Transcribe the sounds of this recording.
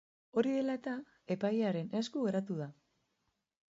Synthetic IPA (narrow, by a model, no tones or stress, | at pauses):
o̞ɾiðe̞laet̪a | e̞pajaɾe̞ne̞skuɣe̞ɾat̪uða